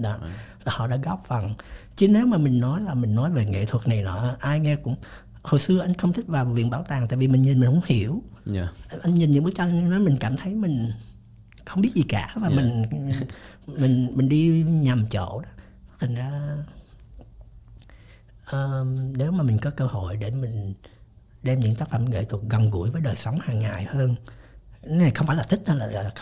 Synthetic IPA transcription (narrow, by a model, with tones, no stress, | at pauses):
ɗɔ˨˦ | a˨˩hɔ̰˧˨ɗa̰ː˧˥ɣɔ˦˥p̚fə˨˩nt͡ɕɨ˨˦ne˨˦wmaː˨˩mï˨˩ŋ̟nɔ˨˦jlaː˨˩mï˨˩ŋnɔ˨˦jve˨˩ŋḛ˧˨t̪ʰwə˨˩t̚na˨˩jnɔ̰˧˨˦ʔaː˧jŋɛ˧kʊ̰˧˥ŋ͡m | ho˨˩jsɨ˧əʔa˧jŋ̟xə˧wŋ͡mt̪ʰï˦˥k̟̚vaː˨˩wvḭ˧˨ənɓaː˧˩wt̪aː˨˩ŋt̪a̰ː˧˨vi˨˩mi˨˩ŋɲi˨˩nmi˨˩ŋhkʊ̰˧˥ŋ͡mhi˧˩˨əw | ʔa˧jŋɲi˨˩nɲɨ̰˧˥ŋɓk̚t͡ɕɔ˧nɔ˨˦mï˨˩ŋ̟kaː˧˩mt̪ʰə˨˦jmï˨˩ŋ̟ | xə˧wŋ͡mɓi˦˥ət̚zi˨˩kaː˧˩vaː˨˩mi˨˩ŋ̟ | mï˨˩ŋ̟mï˨˩ŋ̟ɗi˧ɲa˨˩mt͡ɕo̰˧˨ɗɔ˨˦ | t̪ʰa˨˩ŋ̟zaː˧ | ʔəː˨˩ne˨˦wmaː˨˩mï˨˩ŋ̟kɔ˨˦kəː˧ho̰˧˨jɗe˧˩mï˨˩ŋ̟ | ɗɛ˧mɲɨ̰˧˥ŋt̪aː˦˥k̚fə̰˧˩mɣḛː˧˨jt̪u˨˩ək̚ɣə˨˩ŋ͡mɣṵ˧˩əjvəː˨˦jɗəː˨˩jsə˨˦wŋ͡mhaː˨˩ŋːaː˨˩jhəː˧n˦ | na˨˩jxwŋ͡mfaː˧˩laː˨˩t̪ʰï˦˥k̚ta˧˩laː˨˩˨